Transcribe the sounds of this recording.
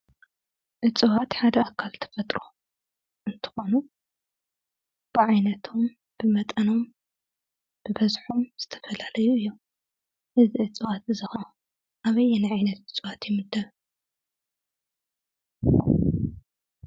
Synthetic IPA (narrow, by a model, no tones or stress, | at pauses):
ʔɨt͡sʼɨwat̪ħad̪ɐakʰːalt̪ʰɐ̥fɐt̪ʼɾu | ʔɨnt̪ʰɨ̥xo̞nu | b̥ɨʕajnɐt̪ʰo̞m | b̥ɨmɐt̪ʼɐno̞m | b̥ɨbɐzħomz̥ɨt̪ʰɐ̥fɐlalɐjuɨjːo | ʔɨziʕɨt͡sʼɨwat̪ɨzɨxɐ | ʔaβɐjnaʕajnɐt̪ʔɨt͡sʼwat̪jɛmɨd̪ːɐβ